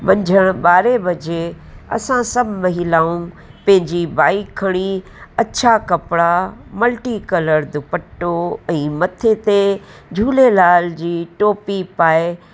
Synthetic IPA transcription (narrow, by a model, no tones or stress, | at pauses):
ʋɐ̃ɲd͡ʑʱəɽ̃ɓaːɾebɐd͡ʑeɐ̰sãsɐbʱmɐɦɪlaːũ | pɐ̃ɦɪ̃ɲd͡ʑibaːikʰːɐɽ̃iɐt͡ɕʰakɐpɽamɐlʈikɐləɾd̪ʊpəʈːoɛ̃ːmɐt̪ʰet̪e | d͡ʑʱuːlelaːld͡ʑiːʈoːpipaːe